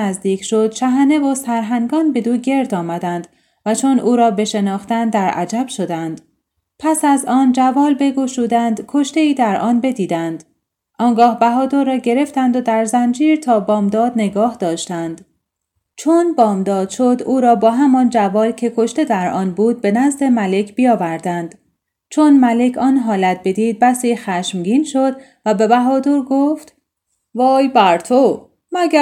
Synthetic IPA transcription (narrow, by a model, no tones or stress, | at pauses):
æzd̪iːcʃo̞d̪̥ʃæɦæne̞vosæɾɦæŋɡɒːnbe̞d̪uːɟe̞ɾd̪ɒːmæd̪ænd̪ | væt͡ʃʰo̞nʔuːɾɒːbe̞ʃe̞nɒːxt̪ænd̪æɾʔæ̰d͡ʒæb̥ʃo̞d̪ænd̪̥ | pʰæsæzɒːnd͡ʒævɒːlbe̞ɡuʃuːd̪ænd̪kʰo̞ʃt̪e̞iːd̪æɾʔɒːnbe̞d̪iːd̪ænd̪̥ | ʔɒːŋɡɒːhbæɦɒːd̪oɾɒːɟe̞ɾe̞ft̪ænd̪od̪æɾzænd͡ʒiːɾt̪ʰɒːbɒːmd̪ɒːd̪ne̞ɡɒːhd̪ɒːʃt̪ænd̪̥ | t͡ʃʰonbɒːmd̪ɒːd̪̥ʃo̞d̪uːɾɒːbɒːɦæmɒnd͡ʒævɒːlcʲʰe̞kʰo̞ʃt̪e̞d̪æɾʔɒːnbuːd̪̚be̞næzd̪emæle̞cʰbijɒːvæɾd̪ænd̪̥ | t͡ʃʰonmæle̞cʰɒːnɦɒːlæt̪̚be̞d̪iːd̪̚bæsiːxæʃmɡiːnʃo̞d̪ | væbe̞bæɦɒːd̪oɾɡoft̪ | vɒːjbæɾt̪ʰo | mæɡæ